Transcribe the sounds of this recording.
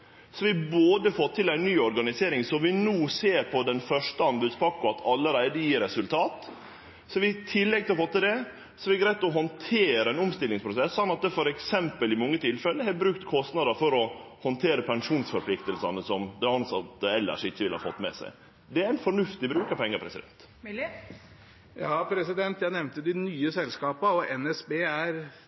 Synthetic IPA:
sɔʋɪboːd̪əfɔt̪ʰːɪlæɪnːyːɔɾɡɑnɪseːɾɪŋsɔmʋɪnuːseːɾpʰɔd̪ɛnfœʂʈəɑmbʉd̪spʰɑkːʊɑt̪ʰɑlːəɾæɪd̪əjiːɾɛsʉlt̪ʰɑːt̪ | sɔʋɪt̪ʰɪlːɛɡ̚t̪ʰɪlɔfɔt̪ːɪld̪ɛ | sɔʋɪæɡɾæɪt̪lɔɦɔnt̪ʰeːɾəɛnʊmst̪ɪlːɪŋspɾʊsɛsːɑnːɑt̪̚d̪ɛfɔɾɛksɛmpəlɪmɔŋːət̪ʰɪlfɛlːəɦɛbɾʉːk̚t̪kʰɔst̪nɑd̪əɾfɔɾɔ | hɔnt̪ʰeːɾəpʰɛŋʂuːnsfɔɾpʰlɪkt̪əlsɑnəsɔmd̪ɛɑnsɑt̪ːəɛlːə̰ʂɪçːəʋɪlhɑ̰ːfɔt̪ːmɛ̰sæ̰ɪ | d̪ɛæɾæɪnfɔɳʉft̪ɪbɾʉːkɑpʰɛŋːəɾpʰɾɛsɪd̪ɛ̰nt̪ | jɑːpʰɾɛsɪd̪ɛnt̪jæɪnɛʋnt̪əd̪ɪnyːəsɛlskɑːpəɔɛnɛsbeːæɾ

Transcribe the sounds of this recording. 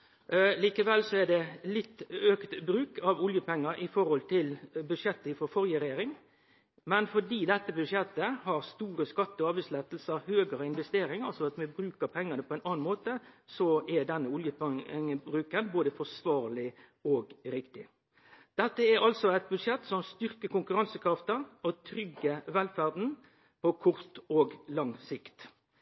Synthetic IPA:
liːkəʋɛlsɔɛd̪ɛlɪt̪ːøːkt̪bɾʉːkʰɑʋʊljəpɛŋːəɾɪfɔɾhɔlt̪ʰɪlbʉd̪ʂɛt̪ːəɪfɔɾfɔɾjəɾɛjeːɾɪŋ | mɛnfɔɖiːd̪ɛt̪ːəbʉd̪ʂɛt̪ːəhɑɾst̪uːɾəskɑt̪ːəɔɑːbæɪslɛt̪l̩səɾhøːɡəɾəɪnʋɛst̪eːɾɪŋɑlsɔɑt̪mɛbɾʉːkəɾpʰɛŋːənəpʰɔɛɪnʔɑːnmoːt̪əsɔɛd̪ɛnːəʊljəŋəbɾʉːkənboːd̪əfɔsʋɑːɾlɪ | oːɡɾɪkt̪ɪ | d̪̥ɛt̪ːəæɾɑlsɔæɪt̪̚bʉd̪ʂɛt̪ːsɔmst̪ʏʁkəkʊŋkʉɾɑnsəkʰɾɑft̪əɾɔt̪ʰɾʏɡːəʋɛlfæʁd̪n̩ | pʰɔkʰʊɾt̪oːɡlɑŋsɪkt̪

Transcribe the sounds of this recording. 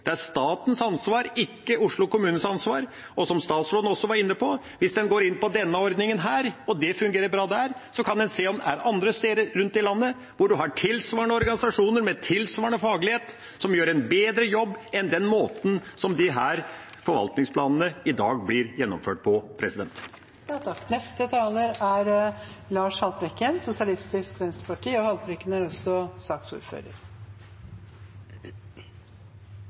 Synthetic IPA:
d̪̥ɛæʂt̪ɑːt̪n̩sɑnsʋɑːɾɪkːəʊʂɭʊkʊmʉːnən̩sɑnsʋɑːɾ | ɔsɔmst̪ɑːt̪sɾoːd̪n̩ɔsːɔʋɑɾɪnːəpʰɔ | ʋɪsd̪ɛnɡoːɾɪnːpɔd̪ɛnːəɔɾd̪nɪŋənɦæːɾɔd̪ɛfʉŋɡeːɾəɾbɾɑːd̪æɾsɔkʰɑnd̪ɛnseːɔmd̪ɛæɾɑnd̪ɾəst̪eːd̪əɾːʉnt̪ɪlɑnːə | ʋʊɖʉɦɑʈʰɪlsʋɑːɳəɔɾɡɑnɪsɑʂuːnəɾmɛt̪ʰɪlsʋɑːɳɔfɑːɡlɪheːt̪ | sɔmjøːɾɛnbeːd̪ɾəjɔbːɛnd̪ɛnmoːt̪n̩sɔmd̪ɪɦæːɾ | fɔɾʋɑ̰lt̪nɪŋspʰlɑːnənəɪd̪ɑːɡblɪɾjɛnːɔmføːʈ̚pʰɔpʰɾɛsɪd̪ɛ̰nt̪ | t̪ɑknɛst̪ət̪ʰɑːləɾæɾ | lɑːʂhɑlpɾɛkːənsʊsɪɑlɪst̪ɪskʋɛnst̪əpɑʈʰiːɔhɑlpɾɪkːənəɾɔsːɔsɑkt̪sṵːɾfø̰ːɾə̰ɾ

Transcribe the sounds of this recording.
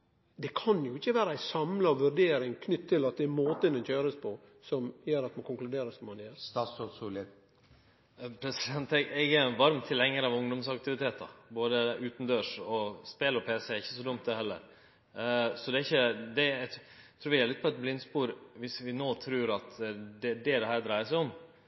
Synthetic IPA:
d̪ɛkʰɑnjʊɪçːəʋæːɾəæɪsɑmlɑʋʉɾɖ̪eːɾɪŋkʰnʏt̪ʰːɪlːɑt̪̚d̪ɛæɾmoːt̪ənɛnçøːɾəspʰɔ | sɔmjøːɾɑt̪mɑnkʰʊnklʉd̪eːɾəsɔmːɑnjøːɾst̪ɑːsɔsul | pʰɾɛsɪd̪ɛnt̪ɛɡɛɡæɾʋɑɾmt̪ʰɪlːɛŋːəɾəɑʋʊŋd̪ʊmsɑk̚t̪ɪʋɪt̪ʰeːt̪ɑ̰boːd̪əʔʉːt̪n̩d̪øːʂɔspeːlɔpʰeːsəæɾɪçːəsɔd̪ʊmt̪̚d̪ɛhɛlːə̰ɾ | sɔd̪ɛɪçːəd̪ɛt̪ʰɾuːɾʋɪæɾlɪt̪̚ːpʰɔɛt̪̚blɪnspuːɾʋɪsʋɪnoːt̪ʰɾʉːɾɑt̪d̪ɛd̪ɛd̪ɛɦæːɾd̪ɾæɪəsɛɪɔm

